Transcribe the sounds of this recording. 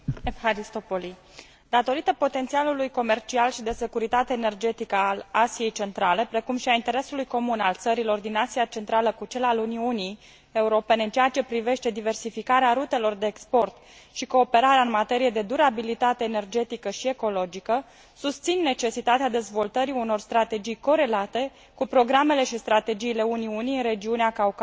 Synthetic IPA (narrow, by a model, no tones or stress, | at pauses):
efhaɾist̪o̞po̞li | d̪at̪o̞ɾit̪əpo̞t̪e̞nt̪sialulujko̞me̞rt͡ʃialʃid̪e̞se̞kuɾit̪at̪eːne̞rd͡ʒe̞t̪ikəalasije̞jt͡ʃe̞nt̪ɾale̞pɾe̞kumʃiaint̪e̞ɾe̞sulujko̞munalt̪səɾilo̞rd̪inasiat͡ʃe̞nt̪ɾaləkut͡ʃe̞laluniuni | euɾo̞pe̞ne̞ɨnt͡ʃeat͡ʃe̞pɾive̞ʃt̪e̞d̪ive̞rsifikaɾeaɾut̪e̞lo̞rd̪e̞ːkspo̞rt̪ | ʃiko̞ːpe̞ɾaɾeaɨnmat̪e̞ɾije̞d̪e̞d̪uɾabilit̪at̪e̞ːne̞rd͡ʒe̞t̪ikəʃie̞ko̞lo̞d͡ʒikə | sust̪sinːe̞t͡ʃe̞sit̪at̪ead̪e̞zvo̞lt̪əɾiuno̞rst̪ɾat̪e̞d͡ʒijko̞ɾe̞lat̪e̞ | kupɾo̞ɡɾame̞le̞ʃist̪ɾat̪e̞d͡ʒiːle̞uniuniɨnre̞d͡ʒiuneakauk